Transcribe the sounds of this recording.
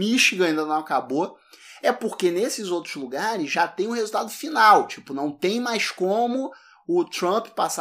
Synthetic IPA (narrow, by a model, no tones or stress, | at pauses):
miʃiɡaĩnd̪ɐnɐ̃w̃akabo | ɛpoɾkenesɪzowt̪ɾʊzluɡaɾɪzʒat̪ẽj̃ʊɦezuwt̪ad̪ʊfinawt͡ʃi̥pʊnɐ̃w̃t̪ẽj̃majskõmʊ | ʊt̪ɾɐ̃ppas